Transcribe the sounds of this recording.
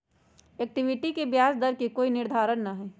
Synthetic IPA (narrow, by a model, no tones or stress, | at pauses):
eːk̚ʈɪʋɪʈikebjaːsd̪ɐɾkikoːinɪɾd̪ʱaːɾənnaɦɛː